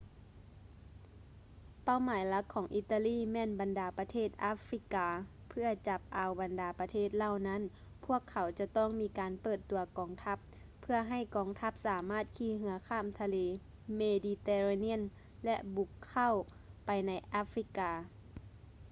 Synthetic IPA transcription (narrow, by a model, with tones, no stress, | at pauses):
pa˥˨wmaː˨˦jla˧˦˥kʰːɔː˩˦ŋʔi˧t̪ːa˧liː˥˨mɛː˧˥˨nba˨ndaː˨˦pa˧t̪ʰeː˥˩t̪̚ʔaː˧˥fɾi˧˥kaː˧ | pʰɯ˥˩ɐt͡ɕa˧˦p̚ʔa˨˧wba˨ndaː˨˦pa˧t̪ʰeː˥˩t̪̚la˧˩˨wna˧˥˨n | pʰu˥˩ɐkʰːa˨˦wt͡ɕa˧t̪ɔː˥˩ŋmiː˧˥kaː˨˦npɤː˧˩t̪ːu˨˧ɐkɔː˨ŋt̪ʰa˧˦˥pʰː | ɯ˥˧˩ɐɦa˧˥˩jkɔː˨ŋt̪ʰa˧˥p̚saː˨˦maː˥˩t̪̚kʰiː˧˩ɦɯ˧˦ɐkʰaː˧˥˨mt̪ʰa˧leː˨˦ | meː˧diː˧t̪eː˧ɾa˧ni˦˥ə˨n | lɛ˧ʔbu˧˦kʰːa˥˩˨w | pa˨jna˧jʔaː˧˥fɾi˧˥kaː˨˧